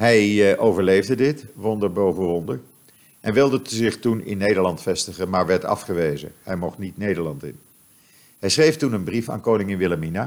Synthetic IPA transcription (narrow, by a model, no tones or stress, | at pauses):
ɦɛjʔowvəɹlejvdədɪtʋɔndəɹbowvəʋɔndəɹ | ʔɛnʋɪlˠdəzɪχtunɪ̰nːejdəɹlɑntfɛstəχənmaːɹʋɛɹtɑ̰fχəʋejzə̰ɦɛjmɔχtnitnejdəɹlɑntɪ̰n | ɦɛjsχrejftunənbrifa̰ːnkownɪŋɪnʋɪlamina